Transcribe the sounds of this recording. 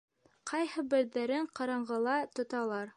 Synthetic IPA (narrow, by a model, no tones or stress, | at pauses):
qʰɑjhɤbɘ̆ɾðæɾɘɴqɑɾɑɴɢɤ̆lˠɑt̪ŏt̪ɑlˠɑɾ